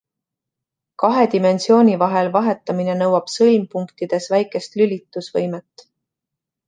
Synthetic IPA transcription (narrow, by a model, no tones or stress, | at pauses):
kɑɦe̞d̪ime̞nsio̞ːnʲivɑɦe̞lvɑɦe̞t̪ːˑɑmine̞nɤwɑb̥sɤlmpuŋkt̪id̪̥e̞svæjkˑe̞st̪lylʲit̪ːˑusvɤ̰jmet̪ːˑ